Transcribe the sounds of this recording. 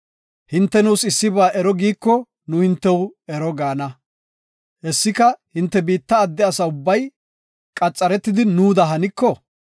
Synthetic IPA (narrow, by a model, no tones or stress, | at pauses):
hɪnt̪ːɛnuːsɪsːɪbaːʔɛɾɔɡiːkːɔ | nʊhɪnt̪ːɛwɛɾɔɡaːnɐ | hɛsːɪkɐhɪnt̪ːɛbiːt̪ːɐːd̪ːɛɐsɐʊbːɐj | kʼɐt͡sʼːɐɾɛt̪ːɪd̪ɪnuːd̪ɐɦɐnɪkːɔ